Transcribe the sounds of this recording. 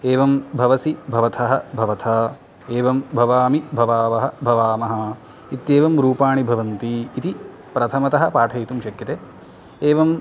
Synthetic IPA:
eːʋɐmbʱɐʋɐsibʱɐʋɐt̪ʰɐɦɐbʱɐʋɐt̪ʰɐ | eːʋɐmbʱɐʋaːmibʱɐʋaːʋɐɦɐbʱɐʋaːmɐɦɐ̆ | it̪jeːʋɐmɾuːpaːɳibʱɐʋɐnt̪iːt̪i | pɾɐt̪ʰɐmɐt̪ɐɦɐpaːʈʰɐjit̪umʃɐkjɐt̪eː | eːʋɐm

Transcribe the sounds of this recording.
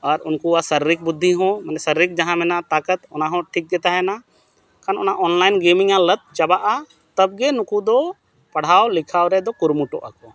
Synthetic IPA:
aɾunkuasəɾːik̚bud̪ʱːiɦɔ̃manɛsəɾːik̚d͡ʒaɦãmɛnat̪akət̪ɔnaɦɔ̃ʈʰik̚d͡ʒ̪ɛt̪aɦɛna | kanɔ̰naʔɔnlajnɡemiŋalət̪̚t͡ʃabaʔa | t̪əb̚ɡɛnukud̪ɔ | pɐɽ̤awlikʰawɾɛd̪ɔkuɾmuʈɔʔa̰kɔ

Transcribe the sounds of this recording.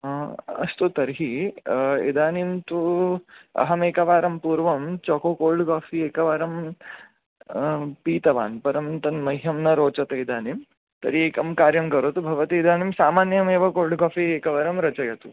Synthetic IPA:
ɐ̰st̪ut̪ɐɾɦi | ḭd̪aːnimt̪u | ɐ̰ɦɐmeːkɐʋaːɾɐmpuːɾʋɐmt͡ʃɔkoːkoːɭɖkaːfieːkɐʋaːɾɐm | piːt̪ɐʋa̰ːnpɐɾɐmt̪ɐnmɐɦɦjɐmnɐɾoːt͡ʃɐt̪ɐid̪ʱaːnim | t̪ɐɾieːkɐmkaːɾjɐmkɐɾot̪ubʱɐʋɐt̪iːd̪ʱaːnimsaːmaːnjɐmeːʋɐkoːɾɖkaːfieːkɐʋaːɾɐmɾɐt͡ʃɐjɐt̪u

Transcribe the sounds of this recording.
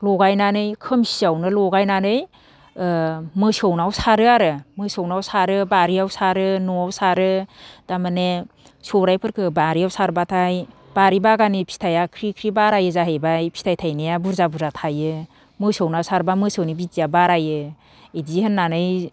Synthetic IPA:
lɔɡajnanɯjkʰɯmsiawnɯlɔɡajnanɯj | mɯsownawsaɾɯaɾɯmɯsawnawsaɾɯbaɾiawsaɾɯnɔawsaɾɯd̥amane | sɔɾajpʰɯɾkʰɯbaɾijawsaɾbatʰaj | b̥aɾibaɡanipʰi̥tʰajakʰɾikʰɾibaɾajɯzaɦejbajpʰi̥tʰajtʰajnɯjabuɾzabuɾzatʰajɯ | mɯsownawsaɾbamɯsawnibidijabaɾajɯ | edihɯnːanɯj

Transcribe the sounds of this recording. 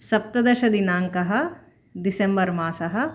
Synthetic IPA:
sɐp̚t̪ɐd̪ɐʃɐd̪inaːŋkɐɦɐ̆ | d̪ɪsembɐɾmaːsɐɦɐ̆

